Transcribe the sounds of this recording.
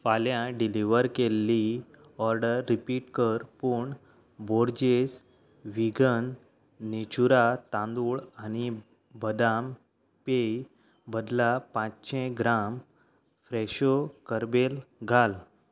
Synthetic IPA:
faljãɖiliʋəɾkelːi | ɔɾɖəɾːipiʈkəɾpuɳ | boɾd͡ʑes | ʋiɡənː | et͡ɕuɾat̪ãnd̪uɭañi | bəd̪am | pej | bəd̪lapãt͡sɕʰẽɡɾam | fɾɛɕokəɾbelɡʱal

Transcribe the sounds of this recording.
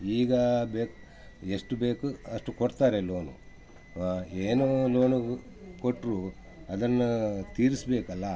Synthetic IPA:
iːɡɐbeːk | eʂʈubeːkuɐʂʈukoɽt̪aːɾeloːnṵ | eːnuloːnu | koʈːɾuː | ɐd̪ɐnːut̪iːɾisbeːkɐlːɐ

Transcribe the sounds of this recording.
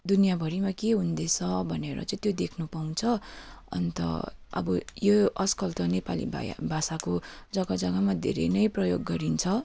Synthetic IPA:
d̪unijabʱʌɾimakeɦund̪et͡sʰʌbʱʌneɾʌ̰t͡sʌĩt̪jod̪ekʰnupaw̃nt͡sʰʌʌ̰nt̪ʌ̰ʌ̰bʌjoʌskʌlt̪ʌnepalḭbʱasakod͡zʌɡʌd͡zʌɡamad̪ʱḛɾḛjnʌjprʌjoɡːʌɾint͡sʰʌ

